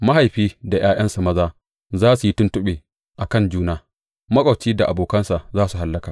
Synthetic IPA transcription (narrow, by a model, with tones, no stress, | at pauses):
ma˦ɦa˨jɸiː˦da˨j̰aː˦jɐ˦nsa˨mɐ˦zaː˦ | zaː˦su˨ji˦tʊ˦ntʊ˦ɓeː˨ | ʔa˨kɐ˦˨nd͡ʒuː˦naː˦ | mɐ˦kʷʼɐ˨wt͡ʃiː˦da˨ʔa˨boː˨kɐ˦nsa˨zaː˦su˨ɦa˨˦lːɐ˦kaː˨